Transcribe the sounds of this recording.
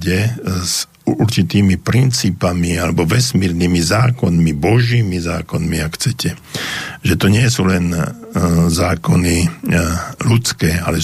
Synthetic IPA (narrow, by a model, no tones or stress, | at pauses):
ɟɛz | uɾt͡ʃit̪iːmipɾint͡siːpamialɛbɔʋɛsmiːɾniːmizaːkɔnmibɔʒiːmizaːkɔnmiakxt͡sɛcʰɛ | ʒɛt̪ɔɲɪɛsuːlɛn | zaːkɔni | lut͡skɛːa̰lɛ